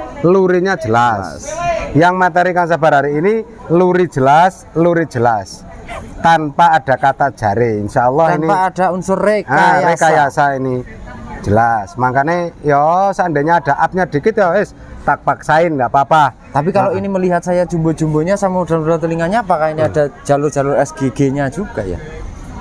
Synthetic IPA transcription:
luɾiɲḁd͡ʒ̥əlasjaŋmat̪eɾikaŋs̬ab̥aɾɦaɾiini | luɾi̥d͡ʒ̥əlas | luɾi̥d͡ʒ̥əlast̪anpaːɖ̥a̤kat̪ḁʒ̥a̤ɾiːnʃaɔlːɑhiniaad̥a̤unsʊreaaɾekajasaini̥d͡ʒ̥əlasmaŋkanejɔsandeɲaːd̥a̤ʔap̚ɲad̥i̤kɪt̪̚jɔes | t̪ak̚pak̚saɪnɡapapat̪ap̬ikaloiniməliɦat̪̚sajḁd͡ʒ̥umbo̥d͡ʒ̥umboɲasamad̥alrat̪uliŋaɲaːpakainiad̥ḁd͡ʒ̥alʊrd͡ʒ̥alʊrɛsɡ̥eɡ̥eɲad͡ʒuɡ̥aja̰

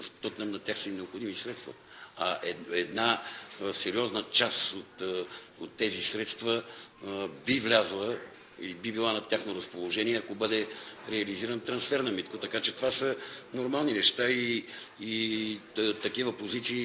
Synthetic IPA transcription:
ft̪ɔt̪nɛmnɐt̪ʲjaxsəinɛopxod̪imisɾɛt̪st̪və̰ | ɐʔɛɛd̪nasɛɾiɔznət͡ʃasot̪ot̪ːɛzisɾɛt̪st̪və | bivlʲazɐlˠə | ḭibibilˠanɐt̪ʲjaxnoɾɐspolˠoʒɛniɛɐkobɤd̪ɛɾɛɐliziɾənt̪ɾɐnsfɛɾnɐmit̪kot̪ɐkat͡ʃɛt̪ovasənoɾmalˠninɛʃt̪aiː | t̪ɐkivəpozit̪siː

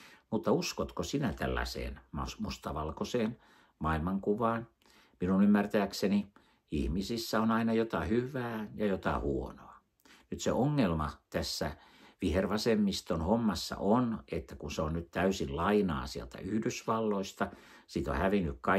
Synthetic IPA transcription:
mut̪ːɑuskot̪kosinæt̪æ̰lːæ̰sḛːnmɑsmust̪ɑʋɑlkoseːn | mɑilmɑŋkuʋɑːn | minunymːært̪æːkseni | ḭhmisisːæonɑinɑjot̪ɑhyʋæːjɑjot̪ɑ̰huonoɑ | nyt̪seoŋːelmɑt̪æsːæ | ʋiherʋɑsemːist̪onhomːɑsːɑ̰ʔonet̪ːækunseonnyt̪t̪æysinlɑinɑ̰ːsiḛlt̪æ̰yhdysʋɑlːoist̪ɑ | sit̪o̰hæʋinːykkɑ

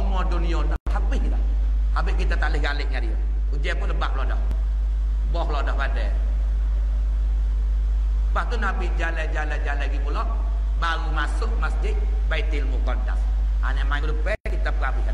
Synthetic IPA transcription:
mɔdonionɔhabɪhlah | habɪhkit̪at̪alɪhɡalɪʔɲadio | ud͡ʒɛpʊnləbaʔlɔdɔh | bɔhlɔdɔhbadɛ | baʔt̪unabid͡ʒalajd͡ʒalajd͡ʒalaɡipulɔʔ | maɾumasʊkmasd͡ʒɪʔ̚ | pait̪ilmukɔnda̰s | a̰namaiŋkuləpɛkit̪ap̚kabiha

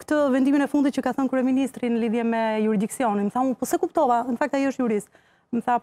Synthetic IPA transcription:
kt̪əvɛnd̪iminɛfund̪it̪cəkaθɔnkɾuɛminist̪ɾinəliðjɛmɛjuɾid̪iksiɔninmθamupɔsɛkupt̪ɔvanəfak̚t̪ajiəʃt̪juɾis | mθa

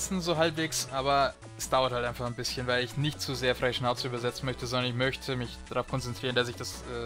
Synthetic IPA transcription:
sn̩zoːɦalpv̥eːksʔaːbɐ | ɛsd̥aʊɐthaltʔaɪfaχnbɪsçənvaɪlɪçnɪçtt͡suzeːɐfʁaɪəʃnaʊt͡səyːbɐzɛt͡sn̩mœçtəzɔndɐnɪçmœçtʰəmɪçd̥aʁaʊfkʰɔnt͡sɛntʁ̥iːʁəndas̬ɪçd̥as | ɛː

